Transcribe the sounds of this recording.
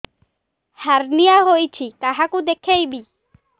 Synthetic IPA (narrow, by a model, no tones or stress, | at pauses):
haɾnijaɦojt͡ʃʰit̪aɦakud̪ekʰejbi